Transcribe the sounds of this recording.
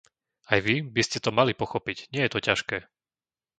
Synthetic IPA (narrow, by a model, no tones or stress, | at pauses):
ajʋibiscɛt̪ɔmalipɔxɔpicɲɪɛjɛt̪ɔcaʃkɛː